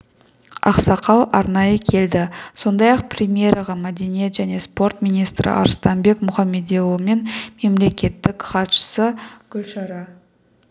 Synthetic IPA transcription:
ɑ̰qsɑqʰɑwˠʔɑɾnɑjəkʲʰe̞ld̪ɪso̞nd̪ɑjɑq̚prʲemije̞ɾɑʁɑmæd̪e̞nije̞t̪ʒæne̞spo̞rt̪mʲijnijst̪ɾɪ̰ʔɑ̰ɾst̪ɑnbe̞kmʊχɑmːe̞d̪ewˠme̞nme̞mle̞kʲe̞t̪ːɪkχɑt̪ʃə̥səɡ̥ʲɵlʃɑɾɑ

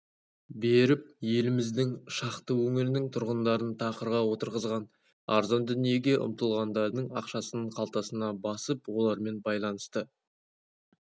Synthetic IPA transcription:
be̞ɾɪp̚je̞lɪmɪzd̪ɪŋʃɑqt̪əwɵŋɪɾnɪŋt̪ʰʊɾʁənd̪ɑɾənt̪ʰɑqəɾʁɑwo̞t̪əɾʁəzʁɑn | ɑ̰ɾzɑnd̪ʏnije̞ɡʲe̞ʔʊ̰mt̪əlˠʁɑnd̪ɑɾd̪əɴɑqʃɑsənəɴqʰɑlˠt̪ɑsənɑbɑsəpwo̞lˠɑɾme̞nbɑjlˠɑnəst̪ə

